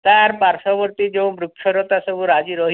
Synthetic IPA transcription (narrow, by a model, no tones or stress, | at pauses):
t̪aɾpaɾʃɔbɔɾt̪id͡ʒẽw̃mɾukːʰɔɾɔt̪asɔbuɾad͡ʒiɾɔɦ